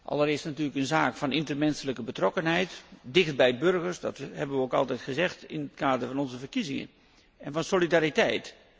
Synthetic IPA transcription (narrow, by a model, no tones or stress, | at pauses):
ʔɑ̰lˠəɾɪːstnatyːləkənzaːkfɑnɪntərmɛnsələkəbətrɔkənɦɛjtdɪxt̚bɛjbɵrɣəɹsdɑthɛbənʋəowkɑ̰lˠtɛjtχəzɛxtɪnətkaːdəɹvɑnɔnzəvərkizɪŋə̰n | ɛnvɑnsolidaːɾitɛjt